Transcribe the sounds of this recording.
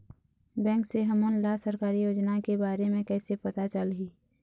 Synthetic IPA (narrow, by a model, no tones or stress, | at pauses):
bɛ̃ːŋkseɦɐmonlasəɾkaːɾijoːd͡ʒnakebaːɾemẽkɛːsepɐt̪at͡ʃəlɦiː